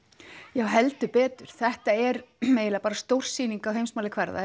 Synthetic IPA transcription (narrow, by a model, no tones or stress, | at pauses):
jawɦɛlt̪ʏpɛːt̪ʏɾ̥θɛht̪aɛɾmeːjɪlapaːɾast̪owr̥siːniŋkawɦejmsmaːlɪkʰvɛɾða̰